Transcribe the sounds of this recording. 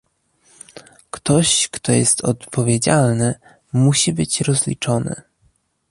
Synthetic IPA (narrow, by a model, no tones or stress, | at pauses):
kt̪ɔɕkt̪ɔjɛst̪ʰɔ̰t̪pʰɔvʲjed͡ʑalnɘ | muɕibɘt͡ɕɾɔzlʲḭt͡ʂɔnɘ̰